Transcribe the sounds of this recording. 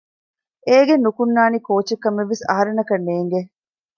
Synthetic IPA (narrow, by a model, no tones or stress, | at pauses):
eːɡenːukunːaːnikoːt͡ʃekːɐmeʋːisɐ̰ɦɐɾenɐkɐnːeːŋɡe